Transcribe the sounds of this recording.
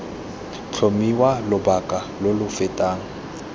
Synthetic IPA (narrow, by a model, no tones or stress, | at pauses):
t͡ɬʰomiwalʊbakʼalʊlʊfɪtʼaːŋ̩